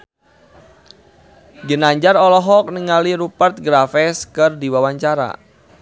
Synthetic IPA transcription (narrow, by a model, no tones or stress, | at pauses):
ɡənaɲd͡ʒarɔlɔɦɔk̚niŋaliɾupərt̪̚ɡɾafɛskɨrdiwawaɲt͡ʃaɾa̰